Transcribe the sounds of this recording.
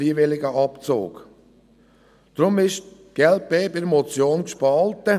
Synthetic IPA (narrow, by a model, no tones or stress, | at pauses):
iːvɪlɪɡəɑpt͡so̰ːk | d̥ɾʊmɪʃ | ɡ̥ɛlt̚b̥eːbɪɾmɔt͡sjoːnkʃpɑltə